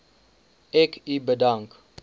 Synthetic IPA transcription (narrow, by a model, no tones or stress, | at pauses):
ɛkʰibədaŋk